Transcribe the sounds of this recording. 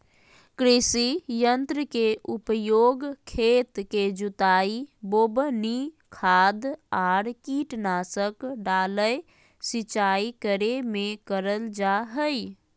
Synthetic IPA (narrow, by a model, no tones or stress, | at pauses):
kɾɪsijənt̪ɾəkeʔupəjoɡkʰet̪ked͡ʒut̪aibobni | kʰad̪aɾkiʈnasəkɖaləj | sit͡ʃaikəɾemekəɾəld͡ʒaɦəj